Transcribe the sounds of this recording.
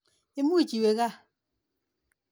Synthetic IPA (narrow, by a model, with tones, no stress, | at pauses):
e˦mu˦˨t͡ʃi˨we˨ɣa˦˨